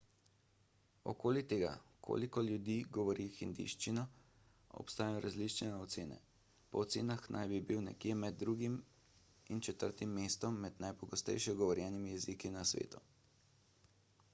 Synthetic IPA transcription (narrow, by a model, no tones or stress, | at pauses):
ɔ̰koːlit̪eːɡa̰kʰo̰ːlikɔljud̪iɡɔʋɔɾixind̪ḭʃt͡ʃinɔ | ɔ̰pst̪aːjajɔɾʔazlit͡ʃnɛɛɔt̪seːnɛ̰ | pɔːt̪seːnaxnʔa̰jbibiwnɛ̰kjemɛd̪̚ːɾuːɡim | int͡ʃɛt̪əɾt̪imːeːst̪ɔmːɛd̪najpɔɡɔst̪ɛ̰jʃɛɡɔʋɔɾjɛnimijɛzikinasʋḛːt̪u